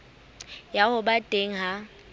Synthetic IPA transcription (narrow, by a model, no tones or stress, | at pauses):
jahʊbatʼeŋ̩ɦa